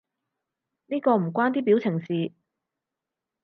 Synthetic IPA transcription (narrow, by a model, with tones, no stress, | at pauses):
niː˥kɔː˧m̩˨˩kʷaː˥nt̪iː˥p̬iː˨˥wt͡sʰɪ˨˩ŋsiː˨˧